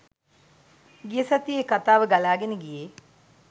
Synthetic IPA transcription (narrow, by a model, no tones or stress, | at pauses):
ɡijəsat̪ijekat̪aːʋəɡalaːɡenəɡije